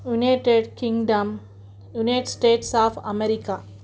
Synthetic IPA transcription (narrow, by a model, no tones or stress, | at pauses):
junaːʈeɖkĩŋɖɐ̃m | junaʈsʈeːʈsaːfɐ̰meɾika